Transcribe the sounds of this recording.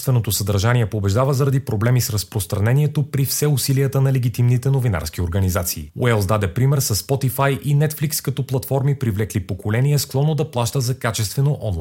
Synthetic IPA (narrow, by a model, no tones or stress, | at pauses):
st̪vɛnot̪osɐd̪əɾʒanʲiɛpobɛʒd̪avəzɐɾɐd̪ipɾoblɛmisɾɐspɾost̪ɾɐnɛniɛt̪opɾifsɛʊsiliət̪ənɐlɛɡʲit̪imnit̪ɛnovina̰ɾsk̟ioɾɡɐnizat̪siːw̰ɛlˠsd̪ad̪ɛpɾimɛɾsɐsːpɔt̪ifajʔinɛt̪flikskɐt̪ɔplˠɐt̪fɔɾmipɾivlɛklipokolɛniɛsklˠɔnːod̪ɐplˠaʃt̪əzɐkat͡ʃɛst̪vɛnoʔɔnlˠa